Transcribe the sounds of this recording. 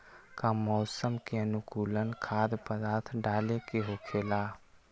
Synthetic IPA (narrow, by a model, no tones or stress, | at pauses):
kamɔːsəmkeənʊkuːlənkʰaːd̪pəd̪aːt̪ʰɖaːlekeɦoːkʰeːlaː